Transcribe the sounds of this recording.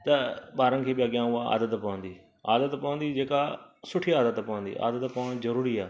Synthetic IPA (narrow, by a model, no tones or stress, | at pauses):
t̪ɐɓaːɾənkʰeːɓɪjaɡɪjãːʊaa̰ːd̪ət̪pɐʋə̃nd̪iː | aːd̪ət̪pɐʋə̃nd̪iːd͡ʒeːkasʊʈʰiaːd̪ət̪pɐʋə̃nd̪ḭːʔa̰ːd̪ət̪pɐʋəɽ̃zɐɾuːɾiaː